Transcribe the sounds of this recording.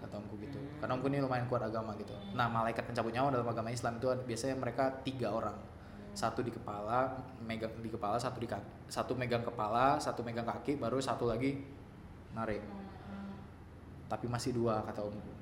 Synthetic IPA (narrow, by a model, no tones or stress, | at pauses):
kat̪aumkuɡit̪u | karnaumkʊnilumaɪnkuat̪aɡamaɡit̪unahmalaikat̪̚məɲt͡ʃabʊt̪̚ɲaadalamaɡamaislamit̪uabiasaɲaməɾekat̪iɡaoɾaŋ | sat̪udikəpala | meɡaŋdikəpalasat̪udikak | sat̪umeɡaŋkəpalasat̪umeɡaŋkakɪʔbaɾusat̪ulaɡi | naɾɪʔ | t̪apimasɪhduakat̪aumku